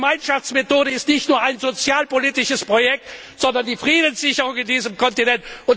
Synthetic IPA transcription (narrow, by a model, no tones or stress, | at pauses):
maɪnʃaft͡smetoːɾəɪstnɪçtnuːɐaɪnzot͡sjaːlpoliːtɪʃəspʁ̥ojɛk̚t | z̥ɔndɐndiːfʁ̥iːdən̩sz̥ɪçəʁ̞ʊŋɪndiːzəmkɔntinɛntʔʊn